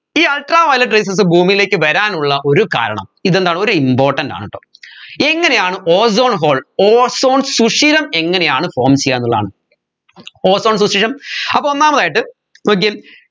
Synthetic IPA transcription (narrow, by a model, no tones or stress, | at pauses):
iːɐlʈraːʋɐjlɐʈrejs̬ɐs̬ɨbʱuːmijile̞ːkːɨʋɐɾaːnuɭːɐʔo̞ɾuka̰ːɾɐ̰ɳɐ̰miðend̪aːɳo̞ɾuimbo̞ːrʈːɐnda̰ːɳiʈːo̰ː | e̞ŋːɐne̞jaːɳɨʔoːso̞ːɳɦo̞ːɭoːso̞ːɳsuʂiɾɐme̞ŋːɐne̞jaːɳɨfo̞ːmt͡ɕejːaːenːuɭːɐða̰ːɳɨ | o̞ːso̞ːɳs̬uʂiɾɐmɐpːoːonːaːmɐðaːjiʈːɨ | ok̬ːejm